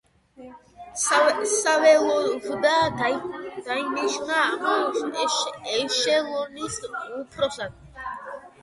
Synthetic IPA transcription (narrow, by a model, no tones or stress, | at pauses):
sawɛlɔvud̪aːd̪ajd̪ajnɛʃunamaɔsʃɛʃɛlɔnisʼupʰɾɔsan